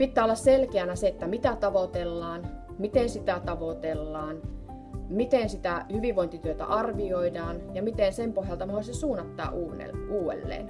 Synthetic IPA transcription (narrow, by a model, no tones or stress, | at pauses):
pit̪ːæːolːɑsselkeænæseet̪ːæmit̪æt̪ɑʋot̪elːɑːn | mit̪ensit̪æt̪ɑʋot̪elːɑːn | mit̪ensit̪æhyʋiʋʋoint̪it̪yøt̪æ̰ʔɑrʋioidɑːnjɑmit̪ensempohjɑlt̪ɑnohoˑsesuːnːɑt̪ːɑ̰ːʔuːnḛuːḛlːḛːn